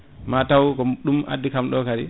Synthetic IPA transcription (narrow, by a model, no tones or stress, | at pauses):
matawkɔɗuma̰dːikamɗɔkaɾi